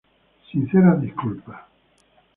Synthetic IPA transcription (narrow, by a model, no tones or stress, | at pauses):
sinseɾad̪iskulpa